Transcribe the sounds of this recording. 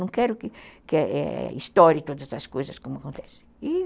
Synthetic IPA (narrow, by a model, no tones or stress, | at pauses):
ɐ̃w̃kɛɾʊkɪkɪɛʔɛ̰ist̪ɔɾit̪od̪ɐzɐskojzɐskõmʊɐkõnt̪ɛsẽ̥j̃i